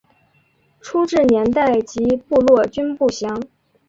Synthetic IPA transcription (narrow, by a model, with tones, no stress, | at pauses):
ʈ͡ʂʰu˥ʈ͡ʂɻ̩˥˩njɛ˧˥nt̪a˥˩ɪt͡ɕi˧˥pu˥˧lwɔ˥˩t͡ɕy˥npu˥˩ɕjɑ˧˥ŋ